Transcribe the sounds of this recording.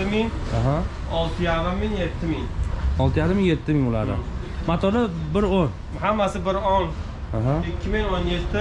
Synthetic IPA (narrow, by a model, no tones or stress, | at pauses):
ɪmɪŋɦa | ɒlˠt̪ʰɪjaɾɪmːɪŋje̞t̪ʰːɪmɪŋɒlˠt̪ʰɪjaɾɪmɪŋjet̪ʰːɪmɪŋʊla̰ɾd̪ɪ̰ | mat̪ʰɒlɪbɪɾon | hamːasɪbɪɾɔn | ɦaɪkʲʰːɪmɪŋonjet̪ʰːɪ